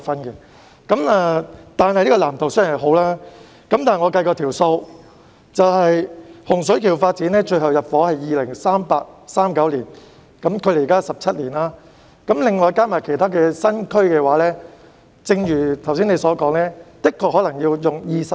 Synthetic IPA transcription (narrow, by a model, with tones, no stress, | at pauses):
fɐ˥nkɛ˧ | kɐ˨˥mɛː˧t̪aː˨˩nhɐ˨jni˥ɔ˧laː˨˩mt̪o˨wsə˥jnɐ˨˩ɦo˨˥wlaː˥ | kɐ˨˦mt̪aː˨˩˨ŋɔ˨˧kɐ˧jkɔː˧t̪ʰiː˨˩wso˧w | t͡sɐ˨whɐ˨jhʊ˨˩ŋs̬ɵ˨˥kʰiː˨˩wfaː˧t̚t͡siː˨˥nlɛː˥t͡ʃɵ˧hɐ˨wjɐ˨t̚fɔː˨˥hɐ˨jiː˨lɪ˨˩ŋsaː˥mpaː˧k̚saː˥mkɐ˨˥wliː˨˩n | kɐ˨˥mkʰɵ˨˧leː˨˩˨kaː˥sɐ˨p̚t͡sʰɐ˥t̚liː˨˩nlaː˥ | kɐ˨˥mlɪ˨˩ŋːɔː˨˧jkaː˥maː˨˩jkʰe˨˩jt̪ʰaː˥kɛː˧sɐ˥nkʰɵ˥ɥkɛː˧waː˨˥lɛː˥ | t͡sɪ˧ŋjyː˨˩t̪ʰɐ˨˩wsiː˥ne˨˧jsɔː˨˥kɔː˨˥ŋlɛː˥t̪ɪ˥kʰːɔː˧k̚hɔː˨˥lɐ˨˩ŋjiː˧wjʊ˨ŋjiː˧sɐ˨